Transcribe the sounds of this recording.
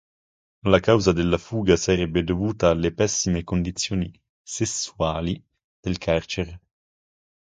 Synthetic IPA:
lakawzad̪elːafuːɡasaɾɛbːed̪ovuːt̪aːlːepɛsːimekond̪it̪sːjoːni | sesːuaːli | d̪̥elkʰart͡ʃeɾ

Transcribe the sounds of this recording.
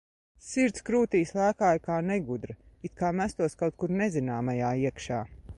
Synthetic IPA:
siɾt̪skɾuːt̪iːslˠæːkaːjkaːnɛɡud̪ɾɐ | it̪̚kaːmæst̪uɔskawt̪̚kuɾnɛzinaːmajaːiɛkʃaː

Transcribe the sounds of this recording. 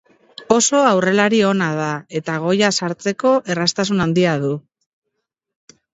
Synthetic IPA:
o̞so̞awre̞laɾio̞nað̞ae̞t̪aɣ̞o̞jasaɾt͡se̞ko̞ʔe̞rast̪as̬unand̪iaðu

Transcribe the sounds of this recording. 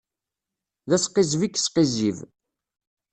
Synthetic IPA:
ðæsqːɪzvikːsqiziv

